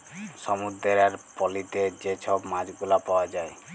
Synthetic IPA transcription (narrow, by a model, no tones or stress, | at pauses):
sɔmud̪eɾaɾpɔlit̪ed͡ʒet͡ʃʰɔbmad͡ʒɡulapawad͡ʒae